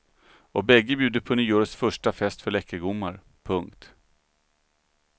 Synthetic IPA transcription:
ɔbɛɡːəbjʉ̟ːd̪əpʰɔnyːɔɾsfœʂʈafɛst̪fœɭɛkːəɡʊmːaɾ | pʰɵŋkt̪

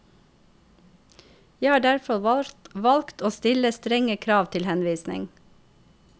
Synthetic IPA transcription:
jæhɑːɖæɹfɔlʋɑlkt̪oːst̪ɪləst̪ɾɛŋəkʰɾɑːʋt̪ʰɪlhɛnʋiːsnɪ̰ŋ

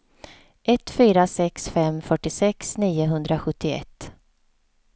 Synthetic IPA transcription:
ʔɛt̪ːfyːɾasɛksfɛmfœʈɪsɛksniːʊɦɵnd̪ɾaɧɵt̪ːɪɛ̰t̪ː

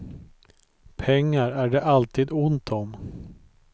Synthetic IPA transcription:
pʰɛŋːaɾæɖɛʔalt̪iːd̪ʊnt̪ʰɔm

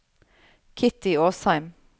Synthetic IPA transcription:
kʰɪt̪ɪoːshæɪm

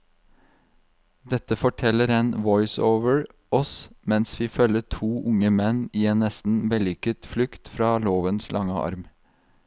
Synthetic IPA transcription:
d̪ɛt̪əfɔʈʰɛləɾeːnʋɔʏsoːʋəɹ | ʔɔsmɛnsʋiːfœləʈʰuːʔʊŋəmɛniːeːnnɛst̪n̩bɛlʏkət̪flʏkt̪fɾɑːloːʋənslʔɑŋəʔɑ̰ɾm

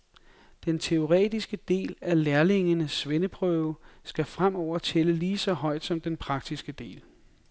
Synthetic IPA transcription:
d̥ent͡sʰe̝o̝ʁɛ̰ːd̥isɡ̥əd̥e̝̰ːlæleɐle̝ŋənəsːʋenəpʰʁœʊsɡ̥æfʁam̰ɒʊ̰ɐt͡sʰeləliːsɒ̽ɦɒ̽ɪ̰d̥sɒ̽md̥enpʰʁɑ̈ɡ̥̚d̥isɡ̥əd̥e̝̰ːl

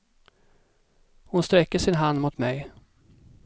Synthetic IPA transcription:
hʊnst̪ɾɛkːəʂɪnɦand̪mʊt̪mɛj

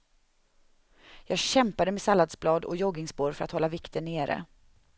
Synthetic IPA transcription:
jɑːɡɕɛmpad̪əmɛsalːad̪sblɑːd̪ɔ̰jɔɡɪŋsboːɾfœɾa̰t̪hɔlːavɪkt̪ʰənːeːɾə̰

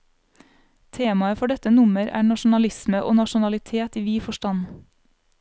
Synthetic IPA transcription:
t̪ʰeːmɑəfɔɖɛt̪ənʊməɾæ̰ːɳɑʃʊn̩ɑlɪsməʔo̰ːnɑʃʊnɑlɪt̪ʰeːt̪iːʋiːfɔʃtɑn

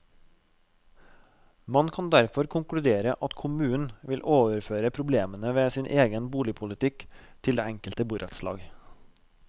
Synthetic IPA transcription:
mɑnkʰɑnd̪æɾfɔɾkʰʊŋkɽʉd̪eːɾəʔɑt̪kʰʊmʉːn̩ʋɪlʔoːʋəɾføːɾəpʰɾʊbleːmənəʋeːsiːnʔeːɡənbuːlɪpʰʊlɪt̪ʰɪkt̪ʰɪld̪ḛːæŋkəlt̪əbuːɾʔɛt̪slɑ̰ːɡ

